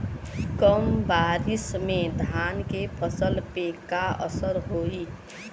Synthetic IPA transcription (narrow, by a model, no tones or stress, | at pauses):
kəmbaːɾɪsmẽd̪ʱaːnkepʰəsəlpekaə̰səɾɦoːi